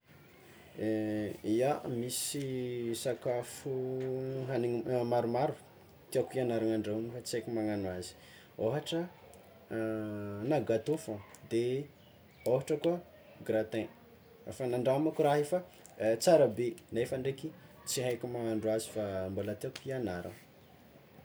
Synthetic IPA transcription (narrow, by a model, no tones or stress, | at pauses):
iamisisakafu | ɦaniŋmaɾumaɾu | t̪iakianaɾaŋaɳɖ͡ʐeɲifat͡siajkʲumaŋanwazi̥ | oɦaʈ͡ʂə | naɡat̪ufəd̪e | oɦaʈ͡ʂəkuə | ɡɾat̪ẽ | efanaɳɖ͡ʐaamakuɾaɦefa | t͡saɾabenefaɳɖ͡ʐeki | t͡siɦajkʲumaŋaɳɖ͡ʐuazifambolat̪iakuianaɾa̰n